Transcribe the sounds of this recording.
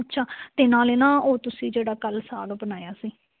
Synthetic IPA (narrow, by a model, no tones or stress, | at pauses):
t͡ʃʰaːt̪ɪnãːleːnãːoːt̪ʊsĩːd͡ʒeːɽaːkəlsaːlobənaːjaːsiː